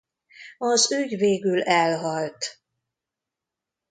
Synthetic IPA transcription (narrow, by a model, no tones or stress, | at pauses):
ɒzyɟveːɡylɛlɦɒlt̪